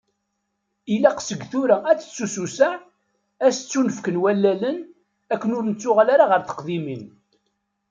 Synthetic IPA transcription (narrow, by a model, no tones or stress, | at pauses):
ilæqsəɡθuɾææt͡sːə̥t͡sːususa | æst͡sːunəfkənwælːælən | ækːənʊɾnət͡sːʊʁalaɾaʁəɾθə̥qðimin